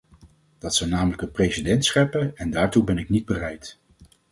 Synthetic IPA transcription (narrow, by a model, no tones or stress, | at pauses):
d̥ɑtsɔwnaːmələkənprejsidɛntsχɛpəɛndaːɹtubɛnɪknid̚bərɛjt